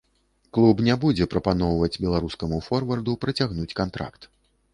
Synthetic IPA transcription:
klˠubnʲɛbud͡zʲɛpɾɐpanɔwvɐd͡zʲbʲɛlˠaɾuskɐmufɔrvɐrd̪upɾɐt͡sʲaɣnut͡sʲkant̪ɾa̰kt̪

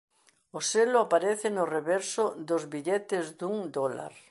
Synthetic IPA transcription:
oselʊapaɾeθɪnʊreβɛɾsʊd̪ozβiʎet̪ɪzd̪uŋd̪ola̰ɾ

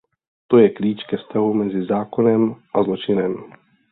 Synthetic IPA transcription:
t̪ojɛkliːt͡ʃkɛfst̪aɦumɛzɪzaːkonɛmʔazlo̞t͡ʃɪnɛm

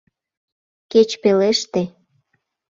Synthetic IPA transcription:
ket͡ɕpeleʃt̪e

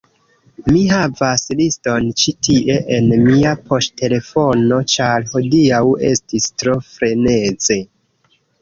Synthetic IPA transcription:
miɦavaslisto̞nt͡ʃitʰiʔe̞ʔenmiapo̞stʰe̞le̞fo̞no̞t͡ʃaɾho̞diawe̞stistɾo̞fɾe̞ne̞ze̞

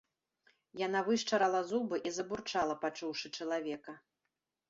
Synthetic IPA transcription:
janavɨʂt͡ʂɐɾɐlˠɐzubɨʔizɐburt͡ʂalˠɐpat͡ʂuwʂɨt͡ʂɐlˠavʲɛkɐ

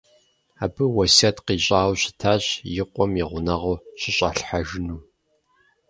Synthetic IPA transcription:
a̰ːbɨwɐsɐtqiːɕʼaːwɕɪ̥tʰaːɕjɪqʷʼɔmjiʁʷʊnɐʁoɕɪɕʼa̰ɬħaʒɪnuː

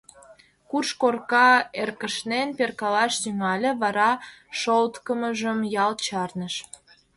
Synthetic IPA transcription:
kurʃkorkɑerkəʃnenperkɑlɑʃt̪yŋɑlʲeβɑɾɑʃolt̪kəməʒəmjɑlt͡ɕɑrnəʃ

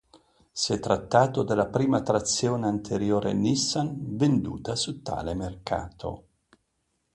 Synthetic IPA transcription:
siɛt̪ːɾat̪ːaːt̪od̪elapɾiːmat̪ɾat̪sːjoːneant̪ʰeɾjoːɾʔḛnisːanvend̪ṵːt̪asut̪ːa̰ːlemerka̰ːt̪ʰo̰

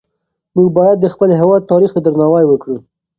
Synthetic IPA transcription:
muɡbɑjad̪̚ːəxpəlɦewɑd̪̚t̪ːɑɾixt̪ad̪əɾnɑwajwəkɽu

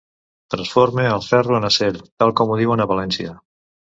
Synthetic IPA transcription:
t̪ɾənsfoɾmeəlˠfɛruənəseɾut̪alˠkɔmuð̞iwənəβəlɛnsiə

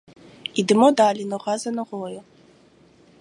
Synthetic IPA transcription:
idɨmodaːlinɨʁɑzɐnɨʁojɛ

